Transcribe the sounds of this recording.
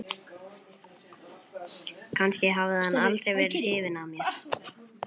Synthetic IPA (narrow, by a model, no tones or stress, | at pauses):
kʰanscɪɦavðɪðanalt̪ɾejvɛːɾɪhɪːvɪnamjɛx